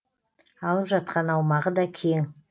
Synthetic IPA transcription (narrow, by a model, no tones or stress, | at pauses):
ɑlˠəpʒɑt̪̚qɑnɑwmɑʁəd̪ɑkʲʰeŋ